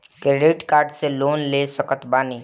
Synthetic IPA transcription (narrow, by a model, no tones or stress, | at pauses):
kɾeɖiʈkaːɾɖseloːnlesəkət̪baːniː